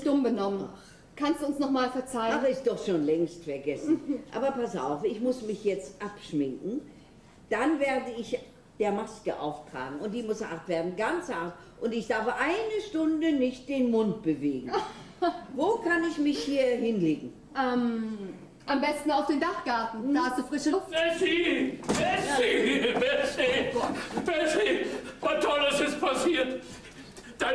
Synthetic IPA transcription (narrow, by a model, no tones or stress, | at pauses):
d̥ʊmbənɔmən | kʰanstd̥uːʊnsnɔχmaːlfɛɐt͡saɪaːbɐɪstd̥ɔχʃoːnlɛŋstfɛɐɡɛsn̩ʔa̰ːbɐpasa̰ʊfɪçmʊsmɪçjɛt͡stʔapʃmɪŋkŋ̩ | d̥anveːɐdəɪç | d̥eːɐmaskəʔa̰ʊftʁ̥a̰ːɡŋ̩ʊntd̥iːmʊsa̰ɐtv̥eːɐdn̩ɡant͡saɐt | ʔʊntɪçd̥aɐfəʔaɪnəʃtʊndənɪçt̚d̥eːnmʊnt̚b̥əveːɡŋ̩ | voːkʰanɪçmɪçhiːɐɦɪnleːɡŋ̩ | ʔɛːm | ʔambɛstn̩aʊfd̥eːndaχɡ̥aɐtn̩̥ahastd̥uːfʁ̥ɪʃəɛziɛivɛsi | vɛsivatʰɔləsɪstpʰasiːɐt | d̥a